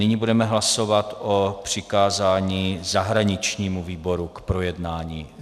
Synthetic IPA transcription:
nɪɲibudɛmɛɦlaso̞vat̪ʔopr̝̥ɪkaːzaːɲiːzaɦɾaɲɪt͡ʃɲiːmuviːbo̞ɾukpɾo̞jɛdnaːɲiː

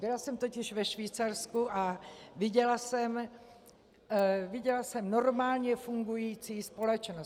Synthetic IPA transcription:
bɪlasɛmt̪o̞cɪʃvɛʃviːt͡saɾskuʔavɪɟɛlasɛm | vɪɟɛlasɛmno̞ɾmaːlɲɛfuŋɡujiːt͡siːspo̞lɛt͡ʃno

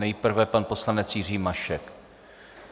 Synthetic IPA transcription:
ɛjpr̩vɛpanpo̞slanɛt͡sjɪr̝iːmaʃɛk

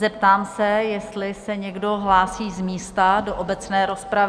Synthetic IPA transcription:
zɛpt̪aːmsɛjɛst̪lɪsɛɲɛɡdo̞ɦlaːsiːzmiːst̪adoʔobɛt͡snɛːɾo̞spɾav

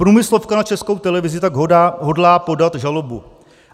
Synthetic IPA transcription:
pɾuːmɪslo̞fkanat͡ʃɛsko̞wt̪ɛlɛvɪzɪt̪aɡɦɦo̞dlaːpo̞dat̪ʒalo̞bu

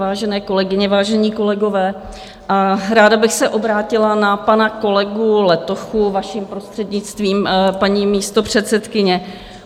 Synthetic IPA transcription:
vaːʒɛnɛːko̞lɛɡɪɲɛvaːʒɛɲiːko̞lɛɡo̞vɛː | ʔaɾaːdabɪxsɛʔo̞bɾaːcɪlanapanako̞lɛɡulɛt̪o̞xuvaʃiːmpɾo̞st̪r̥ɛdɲɪt͡st̪viːmpaɲiːmiːst̪o̞pr̝̥ɛt̪t͡sɛt̪kɪɲɛ

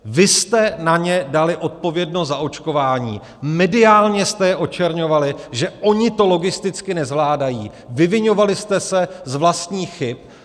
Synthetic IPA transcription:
vɪst̪ɛnaɲɛdalɪʔo̞t̪̚po̞vjɛdnoszao̞t͡ʃko̞vaːɲḭː | mɛdɪaːlɲɛst̪ɛjɛʔo̞t͡ʃɛɾɲo̞valɪʒɛʔo̞ɲɪt̪o̞lo̞ɡɪst̪ɪt͡skɪnɛzvlaːdajiː | vɪvɪɲo̞valɪst̪ɛsɛzvlast̪ɲiːxɪp̚

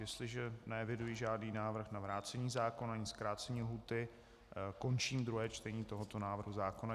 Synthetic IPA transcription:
jɛst̪lɪʒɛnɛɛvɪdujiʒaːdniːnaːvr̩xnavɾaːt͡sɛɲiːzaːkonaɲɪskɾaːt͡sɛɲiːlɦuːt̪ɪ | ko̞nt͡ʃiːmd̪ɾuɦɛːt͡ʃt̪ɛɲiːt̪o̞ɦo̞t̪o̞naːvr̩ɦuzaːkona

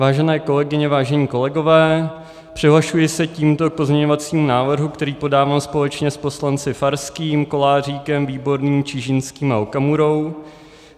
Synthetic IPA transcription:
vaːʒɛnɛːko̞lɛɡɪɲɛvaːʒɛɲiːko̞lɛɡo̞vɛː | pr̝̥ɪɦlaʃujɪsɛciːmt̪o̞k̚po̞zɲɛɲo̞vat͡siːmunaːvr̩ɦukt̪ɛɾiːpo̞daːvaːmspo̞lɛt͡ʃɲɛspo̞slant͡sɪfaɾskiːmko̞laːriːkɛmviːbo̞ɾniːmt͡ʃiʒɪnskiːma̰okamuɾo̞w

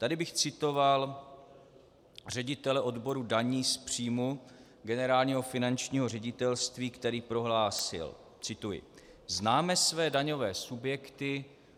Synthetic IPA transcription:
t̪adɪbɪxt͡sɪt̪o̞val | r̝ɛɟɪt̪ɛlɛʔo̞dbo̞ɾudaɲiːspr̥iːmu | ɡɛnɛɾaːlɲiːɦo̞fɪnant͡ʃɲiːɦo̞rɛɟɪt̪ɛlst̪viːkt̪ɛɾiːpɾo̞ɦlaːsɪ̰l | t͡sɪt̪ujɪ̰ | znaːmɛsvɛːdaɲo̞vɛːsubjɛkt̪ɪ

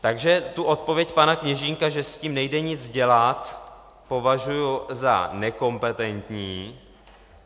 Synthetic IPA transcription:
t̪aɡʒɛt̪uʔo̞t̪po̞vjɛcpanakɲɛʒiːŋkaʒɛsciːmnɛjdɛɲɪt͡sɟɛlat̪ | po̞vaʒujuza̰nɛko̞mpɛt̪ɛnt̪ɲiː

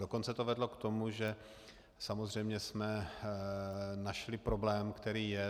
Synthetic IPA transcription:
doko̞nt͡sɛt̪ovɛdlo̞kt̪o̞muʒɛ | samo̞zr̝ɛjmɲɛsmɛ | naʃlɪpɾo̞blɛːmkt̪ɛɾiːjɛ

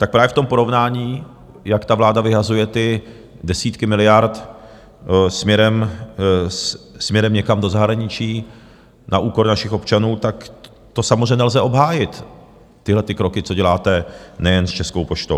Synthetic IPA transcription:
t̪ak̚pɾaːvjɛft̪o̞mpo̞ɾo̞vnaːɲiː | jakt̪avlaːdavɪɦazujɛt̪ɪ | dɛsiːt̪kɪmɪlɪjaɾt̪ | smɲɛɾɛm | s | smɲɛɾɛmɲɛkamdo̞zaɦɾaɲɪt͡ʃiː | naʔuːko̞ɾnaʃɪxo̞pt͡ʃanuːt̪ak | t̪o̞samozrɛɛɲnɛlzɛo̞bɦaːjɪt̪ː | ɪɦlɛt̪ɪkɾo̞kɪt͡so̞ɟɛlaːt̪ɛnɛjɛnst͡ʃɛsko̞wpoʃt̪ow

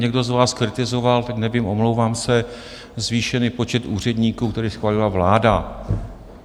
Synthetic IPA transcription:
ɲɛɡdo̞zvaːskɾɪt̪ɪzo̞valt̪aknɛviːmʔo̞mlowvaːmsɛ | zviːʃɛniːpo̞t͡ʃɛt̪ʔuːr̝ɛdɲiːkuːk̚t̪ɛɾiːsxvaːlɪlavlaːda

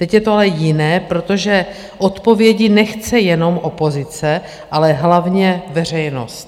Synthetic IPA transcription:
t̪ɛcjɛt̪oalɛjɪnɛːpɾo̞t̪o̞ʒɛ | ʔot̪po̞vjɛɟɪnɛxt͡sɛjɛno̞mʔopo̞zɪt͡sɛ | ʔalɛɦlavɲɛvɛr̝ɛjno̞̰st̪

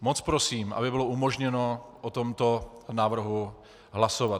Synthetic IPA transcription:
mot͡spɾosiːmʔa̰bɪbɪlo̞ʔumo̞ʒɲɛno̞ʔot̪o̞mt̪o̞naːvr̩ɦu | ɦlaso̞vat̪

